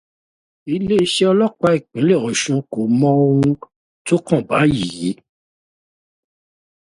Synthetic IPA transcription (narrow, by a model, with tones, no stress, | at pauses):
i˦˧le˦i˦ʃe˦ɔ˧lɔ˦k͡pa˧i˦˨k͡pĩ˨˦le˦˨ɔ˨ʃũ˨˧ko˨mɔ̃˦o˧ũ˧ | to˦kã˦˨ba˨˦ji˨ji˨˦